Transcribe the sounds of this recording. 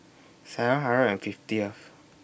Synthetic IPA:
saɹə̃ɦaɹəɛ̃nfiftiɔf

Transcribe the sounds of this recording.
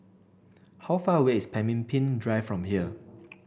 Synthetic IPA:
hawfaəweispʰɛ̃mĩnpʰĩndɹaɪfɹɔ̃mhiə

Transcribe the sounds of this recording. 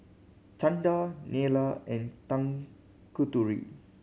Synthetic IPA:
t͡ʃãndanelaɛ̃ntãŋ | kutuɹḭ

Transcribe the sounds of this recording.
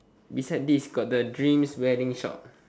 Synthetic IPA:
bisaɪd̚disɡɔt̚dədɹĩmswɛdĩŋʃɔ̰t̚

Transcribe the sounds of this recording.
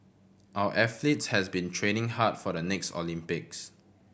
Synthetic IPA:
ʔawə̰ʔɛflitshɛsbĩntʰɹẽnɪ̃ŋhatfɔɾənɛkstɔ̰lĩmpɪk̚s

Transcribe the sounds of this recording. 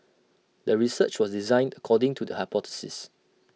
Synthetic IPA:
dəɹisət͡ʃwɔsdizãɪ̃ndəkʰɔdɪ̃ŋtʰudəhapɔtɪ̥sɪ̰s

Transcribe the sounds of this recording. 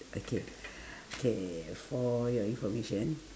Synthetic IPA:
ʔokʰe | okʰefɔjɔɪ̃nfɔɹmeʃə̃n

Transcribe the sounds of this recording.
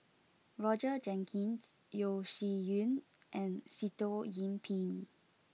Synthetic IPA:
ɹɔd͡ʒəd͡ʒɛ̃ŋkʰĩns | joʃijũn | ʔɛ̃nsitojĩmpʰĩn

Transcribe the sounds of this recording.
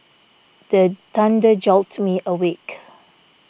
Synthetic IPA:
d̥ətãndəd͡ʒɔltmiʔəwek

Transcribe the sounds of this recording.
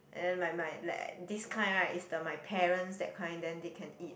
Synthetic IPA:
ʔɛ̰̃ndɛ̃nmajmajla̰diskʰlãɪ̃nɹaʔisdəmajpʰɛɹə̃nsdɛt̚kʰãɪ̃ndɛ̃ndekʰɛ̃nit̚

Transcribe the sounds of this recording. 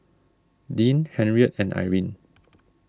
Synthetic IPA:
dĩnhɛ̃nɹiət̚ɛ̃nʔa̰jɹĩn

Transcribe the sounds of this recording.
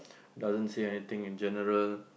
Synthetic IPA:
dazə̃nseɛnit̪ɪ̃ŋĩnd͡ʒɛnəɹəl

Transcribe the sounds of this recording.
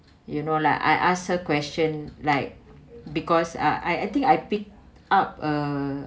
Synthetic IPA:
junolaɪka̰jʔãsəkwɛst͡ʃə̃nlaɪk̚bikɔsa̰ʔa̰jajt̪ĩŋkajpik̚ | ap̚ə

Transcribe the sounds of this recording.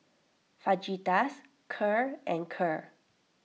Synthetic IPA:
fad͡ʒitas | kʰəɹʔɛ̃nkʰəɹ

